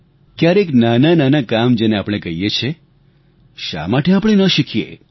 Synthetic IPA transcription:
kjaɾeknanananakamd͡ʒeneapɽ̃ekəɦijet͡ʃʰe | ʃa̰maʈeapɽ̃enəʃikʰjḛ

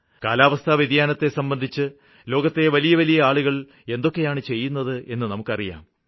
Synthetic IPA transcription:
ka̰ːlaːʋɐst̪ʰɐʋid̪jaːnɐt̪ːe̞sɐmbɐnd̪ʱit͡ɕːɨ | lo̞ːɡɐt̪ːeʋɐlijɐʋɐlijɐaːɭuɣɐɭ | e̞nd̪o̞kːe̞jaːɳɨt͡ɕe̞jːunːɐðɨe̞nːɨnɐmukːɐrija̰ːm

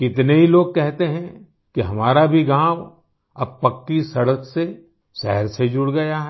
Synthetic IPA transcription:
kɪt̪neɦiloːɡ̚kɛɦt̪eɦɛ̃ | kiɦɐmaːɾabʱiɡãːw | ɐb̚pɐkːisɐɽəkse | sɛɦəɾsed͡ʒʊɽɡɐjaɦɛ

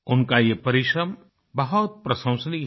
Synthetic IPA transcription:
ʊnkajepɐɾɪʃɾɐm | bɐɦɔt̪̚pɾɐsə̃w̃səni

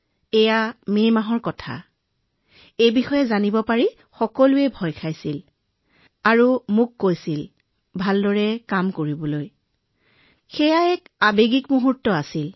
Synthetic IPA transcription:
ɛjamemaɦɔɹkɔtʰa̰ | ejbixɔjɛzanibɔpaɹi | xɔkɔlʊɛbʱɔjkʰajsil | aɹumʊkːojsil | bʱaldɔɹɛkamkoɹibɔloj | xɛjaɛkabeɡikmuɦutːɔasil

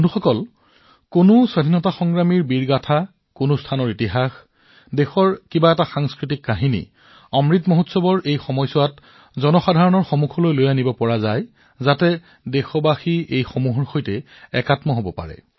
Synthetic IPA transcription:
nduxɔkɔl | konʊswadʱinɔtaxɔŋɡɹamiɹbiɹɡatʰa | konʊstʰanɔɹitiɦax | dexɔɹkibaɛtaxaŋskɹitikːaɦinḭ | ɔmɹitmoɦutsɔbɔɹʔejxɔmɔjsɔwat | zɔnɔxadʱaɹɔnɔɹxomukʰɔlojlojanibɔpɔɹazaj | zatɛ | dɛxɔbaxiejxomuɦɔɹxojtɛ | ɛkatmɔɦobɔpa̰ɹɛ̰

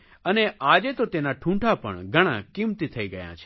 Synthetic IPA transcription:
əneʔad͡ʒet̪ot̪enaʈʰũɳʈʰapə̰ɳɡʱəɽ̃ã̰kimt̪it̪ʰəiɡəjã̰t͡ʃʰe̥

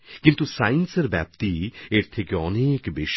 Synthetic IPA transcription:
kɪ̃nt̪usaːɪnsɐɾbɛ̰ːb̚t̪ieɾt̪ʰekeɔneːkbeːʃ

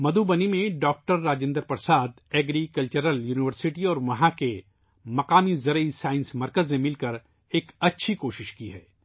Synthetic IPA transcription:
mɐd̪ubɐnimẽɖɔːk̚ʈəɾːaːd͡ʒẽːnd̪əɾpɐɾsaːd̪ɛːɡɾikɐlt͡ʃəɾəljuːnɪʋəɾsɪʈiɔːɾʋɐɦãke | mɐqaːmizɐɾəisaːɪ̃nsmɐɾkəznẽmɪlkɐɾ | eːkɐtːʃʰikoːʃɪʃkiɦɛ̰ː

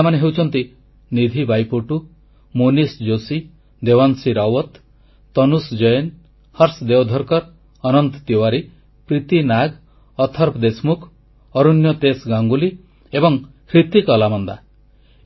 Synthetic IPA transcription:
maneɦewt͡ʃʰɔnt̪i | nid̪ʱibajpoʈu | munisd͡ʒosi | d̪ewansiɾawɔt̪ː | ɔnusd͡ʒɔjen | hɔɾsd̪ewɔd̪ʱɔɾkɔɾ | ɔnɔnt̪t̪iwaɾi | pɾit̪inaɡ | ɔt̪ʰɔɾpʰd̪esmukʰ | ɔɾunjɔt̪esɡaŋɡuli | ebɔŋ | kʰɾit̪ikɔlamɔnd̪a

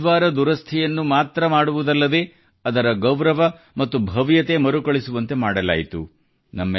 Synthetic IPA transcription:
ʋaːɾɐd̪uɾɐst̪ʰɛjɐnːumaːt̪ɾɐmaːɽuʋud̪ɐlːɐd̪e̞ | ɐd̪ɐɾɐɡɐwɾɐʋɐ | mɐt̪ːubʱɐʋjɐt̪e̞mɐɾukɐɭisuʋɐnt̪e̞maːɽɐla̰ːjit̪ṵ | nɐmːɐ

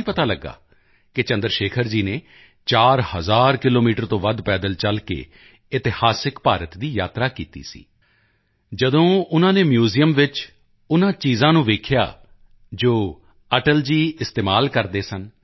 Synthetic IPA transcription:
iːpət̪aːləɡːa̰ː | kɪt͡ʃə̃nd̪əɾʃeːkʰəɾd͡ʒiːneː | t͡ʃaːɾhəzaːɾkɪloːmiːʈəɾt̪õːʋəd̪pɛːd̪əlt͡ʃəlkḛː | ɪt̪ɪhaːsɪkpaːɾət̪d̪iːjaːt̪ɾaːkiːt̪ḭːsḭː | d͡ʒəd̪õːʊnãːneːmjuːzijəmʋɪt͡ʃ | ʊnãːt͡ʃiːzãːnũːʋeːkʰja̰ː | d͡ʒoː | əʈəld͡ʒiːɪst̪eːmaːlkəɾd̪eːsən

